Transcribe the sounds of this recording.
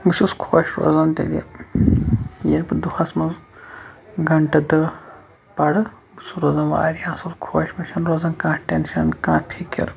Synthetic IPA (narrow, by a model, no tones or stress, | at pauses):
ɡususkʰoːʃɾo̰zɐnt̪ḛlʲɐ̰ | jeɾpɨd̪uhɐsmɐnz | ɡɐɳʈɐd̪ɐ | pɐɽɨ | ɡusuɾozɐnʋa̰ːɾiãːsɐlkʰoːʃmɐʃɐnɾozɐnkãːʈenʃɐnkãːpʰikʲɐ̰ɾ